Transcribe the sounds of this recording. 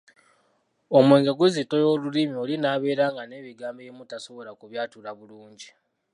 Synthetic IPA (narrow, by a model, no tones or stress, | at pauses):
o̞mweːŋɡeɡuzito̞jo̞ːlulimiolinaːβe̞ːɾaːŋɡane̞ːβiɡaːmbeemutaso̞βo̞lakuβjaːtulaβuluːɲɟi